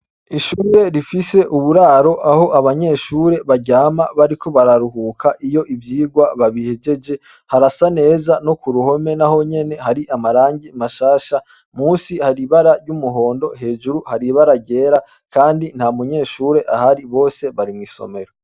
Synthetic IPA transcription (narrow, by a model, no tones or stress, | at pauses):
iʃuːɾe̞ɾifise̞ʔuβuɾaːɾo̞ʔaho̞ʔaβaɲe̞ːʃuːɾe̞βaɟaːmaβaɾikʰo̞βaɾaɾuɦuːkʰaʔijo̞ʔivjiːɡwaβaβihe̞d͡ʒe̞d͡ʒe̞ | haɾasane̞ːzano̞kuɾuho̞me̞naho̞ɲe̞ne̞haɾiʔamaɾaːɲɟimaʃaːʃa | muːnsihaɾiβaɾaɾɟumuɦo̞ːndo̞ɦe̞ːd͡ʒuɾuhaɾiβaɾaɟe̞ːɾa | kʰaːndin̥hamuɲe̞ːʃuːɾe̞ʔahaɾiβo̞ːse̞βaɾimŋiːso̞̰me̞ɾo